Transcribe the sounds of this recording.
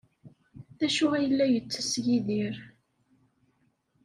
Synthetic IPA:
θæʃuæjəlːæjət͡sːə̥sjiðiɾ

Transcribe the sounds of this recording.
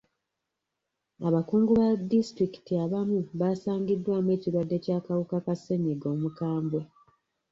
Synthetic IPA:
aβakuːŋɡuβadistɾiki̥tiaβamuβaːsaːŋɡidːwaːmwe̞ːciɾwadːe̞ːcaːkawukakase̞ɲiɡo̞ːmukaːmbwe

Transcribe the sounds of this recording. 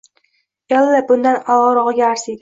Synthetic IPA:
jalˠːabʊnd̪anɒʁɨɾɒʁɨɡʲaːɾsid̪ɪ

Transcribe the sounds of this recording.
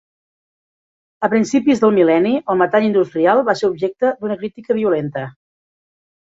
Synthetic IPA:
əpɾinsipizðəlˠmilɛniəlˠmət̪aʎind̪ust̪ɾialˠβaseɾubʒek̚t̪əd̪unəkɾit̪ikəβ̞iulent̪ə

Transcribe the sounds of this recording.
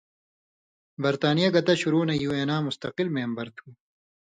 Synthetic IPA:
bɐɾt̪aːnijaɡɐt̪ɐɕuɾuːnɐjuːeːnaːmʊst̪ɐqilmeːmbɐɾt̪ʰuː

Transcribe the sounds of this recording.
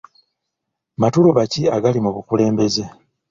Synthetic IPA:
matuloβaciaɡalimuβukule̞ːmbe̞ze̞

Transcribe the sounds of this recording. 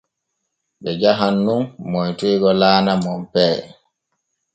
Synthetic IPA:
ɓɛd͡ʒaɦanːunmɔjtijɡɔlaːnamɔmpɛː

